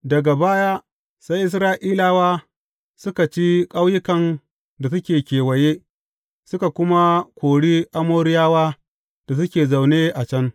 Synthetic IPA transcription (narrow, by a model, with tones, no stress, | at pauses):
dɐ˨ɡa˨baː˦ja˦ | sa˦jʔɪ˦s̬ɾaː˦ʔiː˦laː˦waː˦ | sʊ˦ka˨t͡ʃi˦kʼa˦wjɪ˦kɐ˨n | da˨sʊ˦kʲeː˨kʲeː˨wɐ˨jeː˦ | sʊ˦ka˨kʷʊ˦ma˦kʷʰoː˨ɽiː˦ʔa˦moː˦ɾɪ˦jaː˦waː˦ | d̥a˨s̬ʊ˦kʲeː˨za˨wneː˦ʔa˨t͡ʃɐ˦n